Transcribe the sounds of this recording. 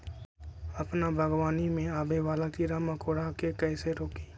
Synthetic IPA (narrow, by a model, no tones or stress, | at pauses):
əpnabʱəɡwaːnimẽaːbeʋaːlakiɾaːmakoːɽakekɛːseɾoːkiː